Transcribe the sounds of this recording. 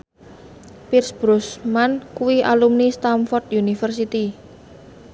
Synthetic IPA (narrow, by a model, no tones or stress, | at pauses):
pirsb̥ɾusmankuwiʔa̰lumnist̪amfɔrt̪junifərsit̪i